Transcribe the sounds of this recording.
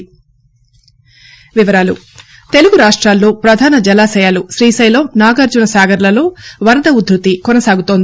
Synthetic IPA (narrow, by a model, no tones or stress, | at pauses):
ʋiʋɐɾaːlṵ | t̪e̞luɡuɾaːʂʈɾaːlːo̞ːpɾɐd̪ʱaːnɐd͡ʒɐlaːsɛjaːluʃɾiːsɐjlomnaːɡɐɾd͡ʒunɐsaːɡɐɾlɐlo̞ːʋɐɾɐd̪ɐud̪ɾut̪ikɔnɐsaːɡut̪oːn